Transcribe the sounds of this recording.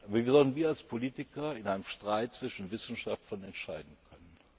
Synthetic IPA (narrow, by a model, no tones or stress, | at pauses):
ʔaːbɐviːɐzɔltn̩viːɐalspʰoliːtɪkɐɪnʔaɪnəmʃtʁ̥aɪt̚t͡sv̥ɪʃn̩vɪsn̩ʃaftlɐnɛntʃaɪdn̩kʰœnən